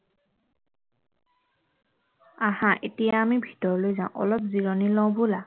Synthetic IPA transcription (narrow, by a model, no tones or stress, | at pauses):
ahãʔetijaːmibʱi̥tɔɹɔlojzãʊ̰̃ʔɔ̰lɔp̚ziɹɔnilɔ̃bola